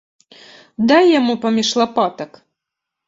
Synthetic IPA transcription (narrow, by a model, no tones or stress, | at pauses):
d̪ajːamupɐmʲiʂlˠapat̪ɐk